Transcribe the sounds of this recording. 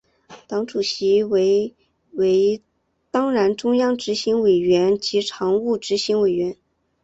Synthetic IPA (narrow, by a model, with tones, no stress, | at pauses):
t̪ɑ˧˥ŋʈ͡ʂu˨˩ɕi˧˥we˧˥ɪ | we˧˥ɪ | t̪ɑ˥ŋɻa˧˥nʈ͡ʂʊ˥ŋjɑ˥ŋʈ͡ʂɻ̩˧˥ɕi˧˥ŋwe˨˩ɪɥɛ˧˥nt͡ɕi˧˥ʈ͡ʂʰɑ˧˥ŋu˥˩ʈ͡ʂɻ̩˧˥ɕi˧˥ŋwe˨˩ɪɥɛ˧˥n